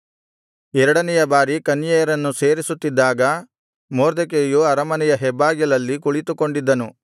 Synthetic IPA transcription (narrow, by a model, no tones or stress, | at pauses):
ɛɾɐɽɐnɛjɐbaːɾikɐnijɛjɐɾɐnːuse̞ːɾisut̪ːid̪ːaːɡɐ | moːɾd̪ɐk̬eːjuɐɾɐmɐnɛjɐɦɛbːaːɡjɐlɐlːikuɭit̪uko̞ɳɖid̪ːɐnu